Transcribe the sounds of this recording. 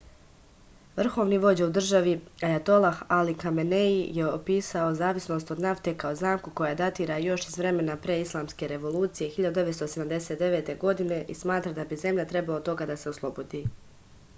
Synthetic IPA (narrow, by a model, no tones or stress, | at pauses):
ʋr̩xo̞ːʋniʋo̞d͡ʑaud̪r̩ʒaʋiajat̪o̞lˠahalikameneijeopiːsao̞zaːʋisno̞ːst̪od̪naft̪e̞kaozaːmkuko̞jad̪at̪iːɾajo̞ʃizʋɾe̞me̞napɾeislˠaːmske̞ɾe̞ʋo̞lˠuːt̪sije̞xiʎad̪ud̪eet̪st̪ose̞d̪amd̪e̞set̪̚d̪e̞ʋe̞ːt̪e̞ɡo̞d̪ine̞ʔismaːt̪ɾad̪abize̞mʎat̪ɾe̞balot̪o̞ɡad̪ase̞oslˠo̞bo̞d̪i